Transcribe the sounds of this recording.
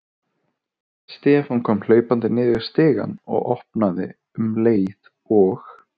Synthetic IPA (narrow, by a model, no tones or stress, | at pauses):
st̪ɛːfɔnkʰɔːml̥œːɥpant̪ɪnɪːðɪɾ̥st̪ɪːɣa̰nɔ̰ɣɔhpnaðɪ̰ | ʏmleːjð | ɔx